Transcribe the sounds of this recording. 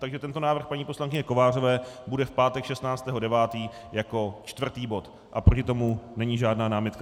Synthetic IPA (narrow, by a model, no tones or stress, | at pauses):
t̪aɡʒɛt̪ɛnt̪onaːvr̩xpaɲiːposlaŋkɪɲɛko̞vaːr̝o̞vɛːbudɛfpaːt̪ɛkʃɛst̪naːt͡st̪ɛːɦo̞dɛvaːt̪iː | jako̞t͡ʃt̪vr̩t̪iːbo̞t̪ | ʔapɾocɪt̪omunɛɲiʒaːdnaːnaːmɪt̪ka